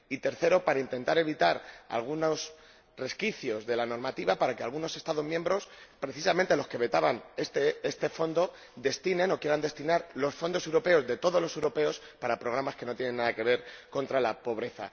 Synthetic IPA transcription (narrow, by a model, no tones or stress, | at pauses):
it̪e̞ɾθe̞ɾo̞paɾaint̪e̞nt̪aɾe̞β̞it̪aɾa̰lɣ̞unos | re̞skiθjo̞zðe̞lano̞ɾmat̪iβapaɾakealɣ̞uno̞se̞st̪aðo̞zmjembɾo̞spɾe̞θisamẽnt̪e̞lo̞ske̞βe̞t̪aβanest̪eest̪e̞fo̞nd̪o̞ | d̪e̞st̪inẽ̞no̞kje̞ɾand̪e̞st̪inaɾlo̞sfo̞nd̪o̞sewɾo̞pe̞o̞zðe̞t̪o̞ð̞o̞lose̞wɾo̞pe̞o̞spaɾapɾo̞ɣ̞ɾamaske̞no̞t̪jene̞nːaðake̞β̞e̞ɾko̞nt̪ɾalapo̞β̞ɾe̞θa̰